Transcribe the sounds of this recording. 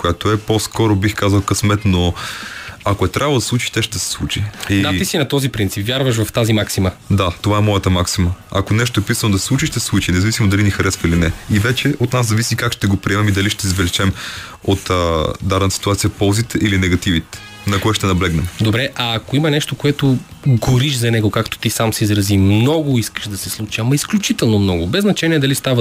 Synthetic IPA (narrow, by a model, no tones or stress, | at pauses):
kojat̪oɛposkɔɾobixkazəlˠkəsmɛt̪no | akoɛt̪ɾʲʔavlˠd̪ɐslˠut͡ʃi̥ʃt̪ɛʃd̪ɛsɛ̥slˠut͡ʃiiaisinɐt̪ɔzipɾint̪sipvjaɾvəʃvɐft̪azimaksiməd̪at̪ovaɛmɔjət̪əmaksiməakonɛʃ̬t̪oɛpisənod̪ɐsɛ̥sˠut͡ʃiʃt̪ɛslˠut͡ʃinɛzɐvisimod̪ɐlinixɐɾɛsvəilinɛivɛt͡ʃɛʔot̪naszɐvisikakʃt̪ɛɡopɾiɛmɛmid̪ɐliʃt̪ɛizvɛlit͡ʃɛm | ot̪əd̪aɾɛnt̪əsi̥t̪uat̪siəpɔlˠzit̪ʔilinɛɡɐt̪ivit̪ | nɐkoɛʃt̪ɛnɐblɛɡnɛmd̪obɾɛʔɐːkoimɐnɛʃt̪okoɛt̪o | ɡoɾiʃzɐnɛɡokakt̪o̥t̪isamsɛizɾɐzimnɔɡʊiskə̥ʃd̪ɐsɛslˠut͡ʃiɐmɐisklʲut͡ʃit̪ɛlˠnomnɔɡʊbɛznɐt͡ʃɛniɛd̪ɐlist̪avə